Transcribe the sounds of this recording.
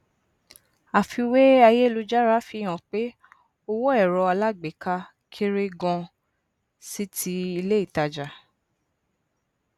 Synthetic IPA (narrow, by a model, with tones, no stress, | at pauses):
a˨fi˧we˦a˧je˦˨lu˧d͡ʒa˦ɾa˦fi˧˦˨j̃ã˨k͡pe˦ | o˧wɔ˦ɛ˦˨ɾɔ˧a˧la˦ɡ͡be˨ka˧ | kʰe˦ɾe˦ɡɔ̃˧ | si˦tʰi˦i˧le˦i˦˨ta˧d͡ʒa˨